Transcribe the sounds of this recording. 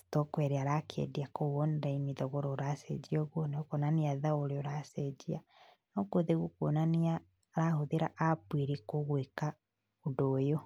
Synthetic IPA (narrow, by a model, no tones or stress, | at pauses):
tokwɛɾeaɾakʰḛdiakoɣonɾainiðɔɣoɾɔoɾasɛ̰d͡ʒioɣwoneokonaniaðaoɾeoɾasɛd͡ʒia | nokoðeɣukwonania | ɾahoðiɾaʔapwiɾikoɣweka | odojo